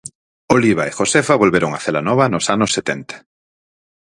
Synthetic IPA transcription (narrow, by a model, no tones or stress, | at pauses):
oliβ̞aexosefaβolβeɾoŋaθelanɔβɐnosanʊsːet̪ɛnt̪ḁ